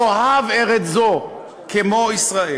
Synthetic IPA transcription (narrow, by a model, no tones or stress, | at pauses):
ohaveʁet͡szo | kʰemoisʁae